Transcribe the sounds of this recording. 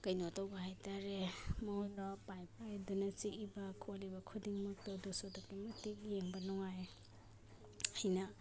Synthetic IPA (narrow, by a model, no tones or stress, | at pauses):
kɐjnotawbɐhajtaɾemojɾɔpajpajdunɐt͡ʃiʔibɐkʰolibɐkʰudiŋmuk̚tɐwdusodɔkimɐtik̚jeŋbɐnɔŋaj | hɐjnɐ